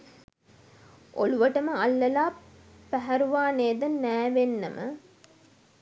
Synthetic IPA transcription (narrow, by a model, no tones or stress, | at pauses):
ʔoluʋəʈəməalːɐlaː | pæɦæɾuʋaːneːd̪ənːæːʋenːə̰mʔə̰